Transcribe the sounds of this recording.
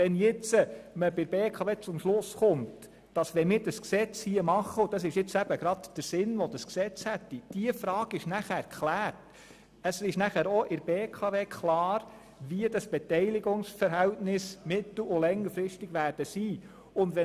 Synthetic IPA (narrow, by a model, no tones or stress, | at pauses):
ʋɛnjɪt͡səməbɪɾbeːkʰɑʋeːt͡sʊmʃlʊsχʊnt | d̥ɑsʋɛnmɪːɾd̥ɑsksɛt͡shiəmɑχːəʊd̥ɑsɪʃjɪt͡sæb̥əɡɾɑdd̥əɾsɪnʋɔdɑsksɛt͡shɛtːid̥iəfɾɑːɡ̥ɪʃnæχæːɾkʰlæːɾt | əsɪʃnæχæːɾoʔɪɾb̥eːkʰɑʋeːkʰlɑːɾ | ʋiədɑsb̥ɛtɛɪliɡʊŋsfəɾɦæltnɪsmɪt̪l̩ʊlɛŋːəɾfɾɪstɪɡ̥ʋæːrd̥əsiː | ʊndʋɛ